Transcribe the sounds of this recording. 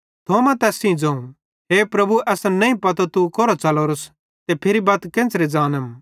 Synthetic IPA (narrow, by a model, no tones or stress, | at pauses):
t̪ʰoːmɛ̃t̪ɛːsĩd͡zɐ̃ũ | ɦeːpɾɐbuʔɛsnɐĩpɐt̪ot̪ukoɾot͡sɐloːɾʊs | t̪epʰeɾibaːt̪kẽːnt͡sɾed͡zaːnəm